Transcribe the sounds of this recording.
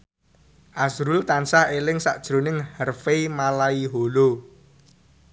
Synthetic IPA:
ʔasɾʊlt̪ansahelɪŋsa̰ʔd̥ʒ̥ɾo̤nɪŋhərfemalaiɦolo

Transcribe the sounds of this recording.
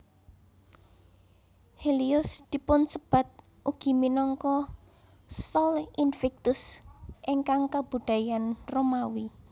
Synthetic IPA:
heliʊsd̪̥i̤pʊnsəb̥a̤t̪̚ | ʔuɡ̥i̤minɔŋkɔ | sɔlʔinfɛk̚t̪ʊsʔɪŋkaŋkab̥ṳd̪̥ä̤janromawi

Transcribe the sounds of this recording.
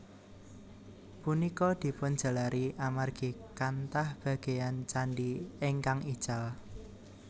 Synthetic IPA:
punikɔd̪̥i̤pʊnd̥d͡ʒ̥a̤laɾʔiʔamarɡ̥ikant̪ahb̥a̤ɡ̥ejant͡ʃanɖieŋkaŋid̥ʒ̥al

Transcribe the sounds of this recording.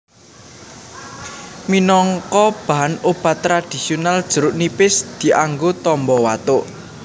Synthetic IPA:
minɔŋkɔb̥a̤ɦanob̥a̤t̪ːɾad̪̥i̤sionald̥ʒ̥ə̤ɾʊʔnipɪsd̪̥i̤ʔaŋɡot̪ɔmbɔwat̪ʊʔ

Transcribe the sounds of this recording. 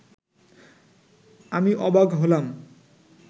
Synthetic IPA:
amiʔɔbaɡɦolam

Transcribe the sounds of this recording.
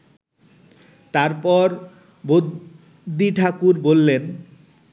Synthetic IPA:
t̪aɾpɔɾ | bo | d̪iʈʰakuɾbolːen

